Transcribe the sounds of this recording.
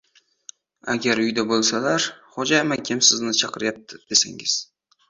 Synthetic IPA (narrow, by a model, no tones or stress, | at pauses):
a̰ɡʲaɾʊjd̪abolˠsalaɾχod͡ʒamakʲʰamsɪznɪt͡ʃʰɑqɨɾɪjap̚t̪ʰɪd̪̥esa̰ŋɪ̰z̥